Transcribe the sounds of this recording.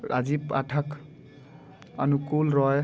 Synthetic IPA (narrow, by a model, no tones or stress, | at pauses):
ɾʔa̰zipaʈʰak | ɔ̰nukulɾɔj